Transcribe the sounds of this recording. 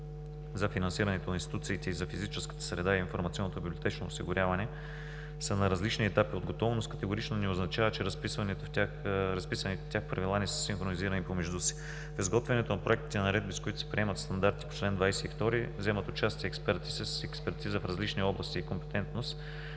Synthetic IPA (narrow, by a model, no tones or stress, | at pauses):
zɐfinɐnsiɾɐnɛt̪oninst̪it̪ut̪siːt̪ɛizɐfizit͡ʃɛskə̥t̪ə̥sɾɛd̪aiinfoɾmɐt̪siɔnːot̪obiblʲiot̪ɛt͡ʃno̰ːsiɡʊɾʲavɐnɛ | sənɐɾɐzlit͡ʃniɛt̪apiod̪ɡot̪ɔvnoskə̥t̪ɛɡʊɾit͡ʃnonɛoznɐt͡ʃavət͡ʃɛɾɐspisvɐnit̪ofa | ɾɐspisɐnit̪t̪ʲjaxpɾɐvilˠanɛsə̥sinxɾoniziɾənipomɛʒd̪usi̥ | fɛzɡɔt̪vɛnɛt̪onɐpɾoɛkt̪i̥t̪ɛnɐɾɛd̪̚biskoʊit̪ʊ̥sɛ̥pɾiɛmət̪st̪ɐnd̪aɾt̪i̥po̥t͡ʃlɛnd̪vajsɛift̪ɔɾivzɛmət̪ot͡ʃast̪iəːkspɛɾt̪i̥sɛsɛkspɛɾt̪izəfɾɐzlit͡ʃniɔblˠɐst̪iːkompɛ̥t̪ɛnt̪nost̪